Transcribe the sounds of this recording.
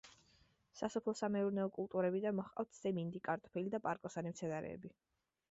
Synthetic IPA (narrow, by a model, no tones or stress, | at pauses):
sasɔpʰlˠɔsamɛuɾnɛɔkʼulˠt̪ʼuɾɛbid̪anmɔχqʼa̰ft̪ʰz̥ɛmind̪ikʼaɾt̪ʼɔ̥pʰɛlid̪apʼaɾkʼɔsanimt̪sʰɛnaɾɛ̰ːbi